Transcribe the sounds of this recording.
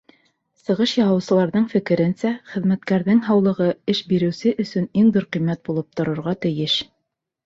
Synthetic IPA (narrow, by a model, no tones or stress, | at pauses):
sɤ̆ʁɤʃjɑwɑ̆wsɤ̆lˠɑɾðɤɴfɘ̆kɘ̆ɾɘnsæχɘ̆ðmæt̪̚kæɾðɘŋɦɑwlˠɤ̆ʁɤɘʃbiɾɘ̆wsɘʔɵ̆sɵniŋd̪oɾqɤ̆jmːæt̪̚bulˠɤp̚t̪ŏɾɤ̆ɾʁɑt̪ɘ̆jɘʃ